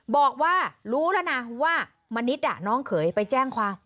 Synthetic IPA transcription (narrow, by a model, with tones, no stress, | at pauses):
bɔː˨˩k̚waː˥˩ɾuː˦˥lɛ˦˥˩na˧waː˥˩ | ma˧ni˦˥t̪̚da̰˨˩nɔː˦˥ŋkʰɤː˩˦jpa˧jt͡ɕɛː˥˩ŋkʰwaː˧m